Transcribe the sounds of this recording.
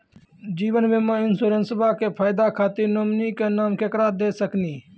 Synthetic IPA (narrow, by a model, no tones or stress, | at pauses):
d͡ʒiːʋənmẽːmãːɪnsoːɾənsəbʱaːkeːpʰaːɪd̪aːkʰaːt̪iːnoːmniːkeːnaːmkeːkɾaːd̪eːsəkniː